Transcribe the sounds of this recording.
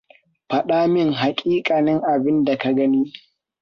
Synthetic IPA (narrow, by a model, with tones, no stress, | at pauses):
ɸɐ˨ɗaː˦mɪ˦ŋɦa˨kʲʼiː˦kʼaː˨nɪ˦ŋʔa˨bɪ˦nda˨ka˨ɡɐ˦niː˦